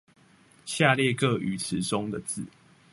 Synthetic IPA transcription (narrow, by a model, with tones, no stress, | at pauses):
ɕja˥˨ljɛ˥˨kə˥˨ʔy˨˦t͡s̩ʰ˨˦ʈ͡ʂo˦ŋd̪ə˨t͡sɹ̩˥˨